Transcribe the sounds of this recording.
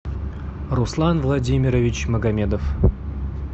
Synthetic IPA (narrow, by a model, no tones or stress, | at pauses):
rʊslˠanvlˠɐdʲimʲɪɾəvʲɪt͡ɕməɡɐmʲed̪əf